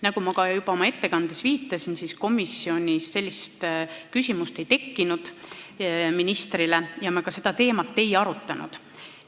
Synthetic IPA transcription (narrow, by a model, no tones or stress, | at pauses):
nɑkumɑkɑjub̥ɑo̞mɑe̞t̪ːe̞kɑnd̪̥esviːt̪ːˑɑsinsisko̞misːio̞nʲisːe̞lʲːist̪kysʲimust̪e̞jt̪e̞kːinud̪̥ | minist̪rilejɑmɑkɑse̞d̪̥ɑt̪e̞ːmɑt̪ːe̞jɑɾut̪ːˑɑnṵd̪̥